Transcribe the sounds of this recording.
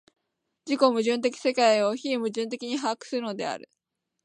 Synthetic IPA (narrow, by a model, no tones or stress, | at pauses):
d͡ʑiko̞mɯ̟ʑɨ̃nt̪̬e̞kʲi̥se̞kaio̞çiimɯ̟ʑɨ̃nt̪̬e̞kʲiɲ̟iɦakɯ̟̥sɨɯ̟no̞d̪e̞̰a̰ɾɯ̟̰